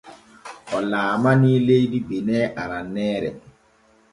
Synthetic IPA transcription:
ɔlaːmaniːlejdibenɛʔaɾanːɛːɾɛ̰

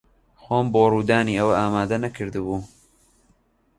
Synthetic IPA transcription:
xoːmboːruːd̪aːniːɐwɐʔaːmaːd̪ɐnɐkʰɨɾd̪ɨbuː

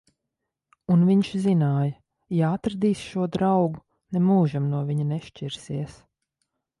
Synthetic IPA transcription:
unviɲʃzinaːjɐ | jaat̪ɾad̪iːsʃuɔd̪ɾawɡu | nɛmuːʒamnuɔviɲunɛʃt͡ʃiɾsiɛs

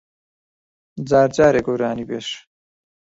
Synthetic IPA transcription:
d͡zaːɾd͡ʒaːɾeɡoɾaːnibeʃ

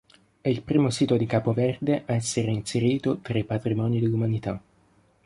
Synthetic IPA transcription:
ɛilpɾiːmosiːt̪od̪ikaːpovɛrd̪eʔaɛsːeɾeinseɾiːt̪ot̪ɾaipat̪ɾimɔːnid̪elːumanit̪a

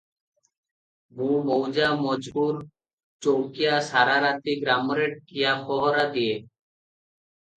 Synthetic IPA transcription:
bʱumowd͡ʑamɔd͡ʑbuɾ | t͡ɕowkijaʃaɾaɾat̪iɡɾamoɾeʈ̚kijaxɔɦoɾad̪ie

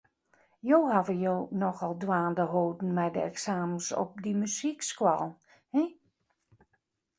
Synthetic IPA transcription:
joːhavəjoːnɔxɔlˠdwaːndəɦoːdn̩mɛjdə̰ɛksaːmənsɔ̰p̚dimyzikskwalˠ | hɛ

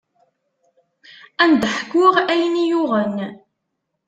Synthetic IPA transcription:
ænd̪ħəkːʊʁæjnijʊʁən

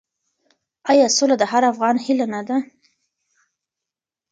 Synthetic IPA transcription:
ɑjɑsolad̪əɦaɾafɣɑnhilanad̪a

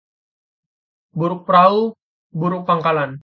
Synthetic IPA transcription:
buɾʊk̚pəɾau | buɾʊk̚paŋkalan

